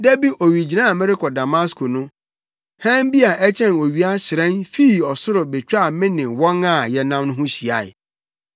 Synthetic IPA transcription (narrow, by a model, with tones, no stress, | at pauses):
dɛ˦bi˦ʔo˨ɥi˨d͡ʑi˨nã˦˨mɪ˦ɾɪ˦kʰɔ˨da˨ma˦skʰʊ˨nʊ̃˦ | hã˦m˦bi˦a˨ʔɛ˦t͡ɕʰɛ̃˦no˨ɥi˨˦a˦ɕɪ˨ɾɛ̃˦nfiː˦˨ɔ˨sʊ˦ɾʊ˨be˨t͡ɕᶣa˦˨mɪ̃˦nɪ̃˨wɔ̃˦ŋa˨jɛ˦nã˦mnʊ̃˦ɦʊ̃˦ɕi˨a˨ɪ̰˨